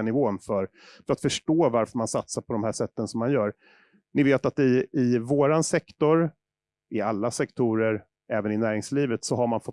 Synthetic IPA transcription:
nɪvoːnfœɾ | fœɾat̪fœʂʈoːvaɾfœɾmansat̪saɾpʰɔd̪ɔmhæːʂɛt̪ːənsɔmːanjœːɾ | nɪveːt̪at̪ɪɪvoːɾansɛkt̪ɔɾ | ɪalːasɛkt̪ʰuːɾəɾ | ɛːvənɪnæːɾɪŋsliːvət̪sɔɦaɾmanfɔ

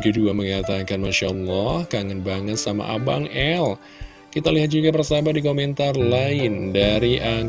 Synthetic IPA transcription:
ɡəduaməŋat̪akanmaʃa̰lːɔhkaŋənbaŋət̪sama̰ʔa̰baŋɛl | kit̪aliɦat̪̚d͡ʒuɡapərsabadikomɛnt̪arlaɪndaɾiʔa

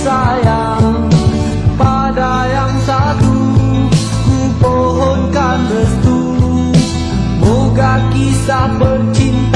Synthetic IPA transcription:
saja | ŋ | pa | da | jaŋsaɾu | ku | po | ɦɔnkand̪əst̪u | lu | moɡakisahbərt͡ʃint̪

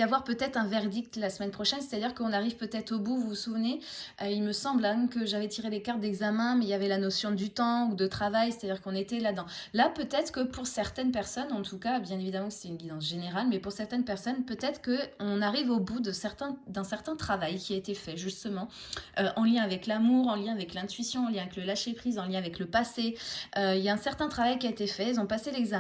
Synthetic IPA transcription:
avwaʁpøt̪ɛt̪χɛ̃vɛʁd̪ik̚t̪lasəmɛnpχɔʃɛnse̥t̪ad̪iʁkəɔ̃naʁiv̥pøt̪ɛt̪χobuvuusuvneʔøilməsɑ̃blɛ̃mkəʒavɛt̪ʰiʁelekaʁt̪̚d̪ɛɡzamɛ̃mɛiljavɛlanɔsjɔ̃d̪yt̪ɑ̃ud̪ət̪χavajse̥t̪ad̪iʁkɔ̃net̪ɛlad̪ɑ̃lapøt̪ɛt̪χkəpuʁsɛʁt̪ɛnpɛʁsɔnɑ̃t̪ʰukabjɛ̃nevid̪amɑ̃ksɛ̥t̪ɛynlizɑ̃s̬ʒ̥eneʁalmɛpuʁsɛʁt̪ɛnpɛʁsɔnpøt̪ɛt̪χə̥kəɔ̃naʁivobud̪əsɛʁt̪ɛ̃d̪ɛ̃sɛʁt̪ɛ̃t̪χavajkʲiaet̪efɛʒyst̪əmɑ̃ | øʔɑ̃ljɛ̃avɛklamuʁɑ̃ljɛ̃avɛklɛ̃t̪ɥisjɔ̃ɑ̃ljɛ̃avɛkləlaʃepχizɑ̃ljɛ̃avɛkləpaseøiljaɛ̃sɛʁt̪ɛ̃t̪χavajkʲiaet̪efɛɛlzɔ̃paselɛɡza

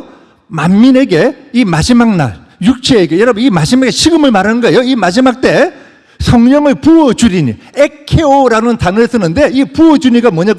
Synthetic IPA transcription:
mamːine̞ɡe̞imad͡ʑimaŋna̰n | juk̚t͡ɕʰeeɡe̞jʌɾʌbɯnimad͡ʑimaɡeɕʰiɡɯmɯɭmaɾanɯnɡʌejoimad͡ʑimak̚t͈e̞ | sʰʌŋɲʌŋɯɭpuʌd͡ʑuɾiɲḭ | e̞kʰe̞oɾanɯntanɯɭs͈ʰɯnɯnde̞ipuʌd͡ʑuɲiɡamwʌɲaɡ

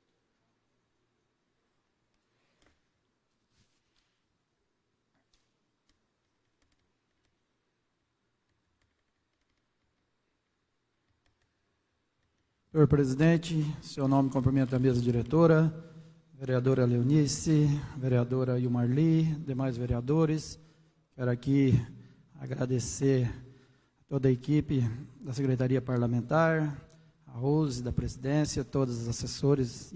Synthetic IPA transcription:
pəɾpɾɛzid̪ɛ̃nt͡ʃisiɔnɔmkɔ̃mpɾimɛ̃nt̪ɛmɛzad̪iɾɛt̪ɔɾa | veɾiad̪oɾɐlewnisɪveɾiad̪oɾɐiuwmaɾlid̪emajzveɾiad̪oɾɪs | kɛɾʊaki | a̰ɡɾad̪eseɾ | ɐt̪od̪ɐekipɪd̪ɐsekɾet̪aɾiɐpaɾlamẽnt̪aɾ | ɐhuzɪd̪ɐpɾezid̪ẽsjɐt̪od̪ɐzɐzasesoɾɪz

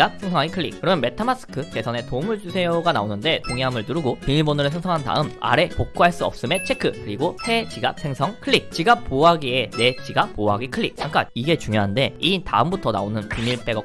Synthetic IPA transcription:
ap̚sʰe̞ŋsʰʌŋaŋikʰɯɭːḭkkɯɾʌmjʌnme̞tʰamas͈ʰɯ̥kʰɯt͡ɕe̞sʰʌne̞tomuɭd͡ʑusʰe̞jʌɡanaonɯnde̞toŋiɦamɯɭtɯɾuɡopimiɭbonɯɾɯsʰʌŋsʰʌŋɦanta̰ɯma̰ɾe̞pok̚k͈oɦaɭs͈uʌ̰p̚s͈ɯme̞t͡ɕʰe̞kʰɯkɯɾiɡosʰe̞t͡ɕiɡap̚sʰe̞ŋsʰʌŋkʰɯɭːik̚t͡ɕiɡap̚p͈ːoaɡie̞ne̞t͡ɕiɡapp͈ːoaɡikʰɯɭːik̚t͡ɕʰaŋk͈aniɡe̞t͡ɕuŋjoɦande̞ita̰ɯmbutʰʌna̰onɯnpimiɭp͈e̞ɡʌ

